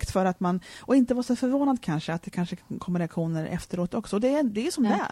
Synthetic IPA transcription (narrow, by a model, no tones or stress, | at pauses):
kt̪fœɾat̪manɔɪnt̪əvaːʂɔfœɾvoːnad̪kʰanʂəat̪̚d̪ɛkʰanʂəkʰɔmːɪlaɧuːnəɾɛ̰ft̪əɾoːt̪ɔksɔɔd̪ɛd̪ɛjʂɔmd̪æ